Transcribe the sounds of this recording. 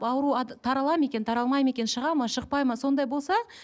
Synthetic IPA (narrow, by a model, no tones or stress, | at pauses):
ɑwɾuɑt̪ʰɑɾɑlˠɑme̞kʲe̞nt̪ʰɑɾɑlˠmɑjme̞kʲe̞nʃəʁɑmɑʃəq̚pɑjmɑso̞nd̪ɑjbo̞lˠsɑ